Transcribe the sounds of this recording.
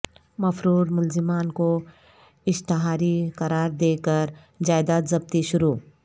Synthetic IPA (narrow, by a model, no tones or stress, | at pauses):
mɐfɾuːɾmʊlzɪmaːnko | ɪʃt̪ɪɦaːɾikɐɾaːɾd̪eːkəɾ | d͡ʒaːɪd̪aːzɐb̚t̪iʃʊɾuː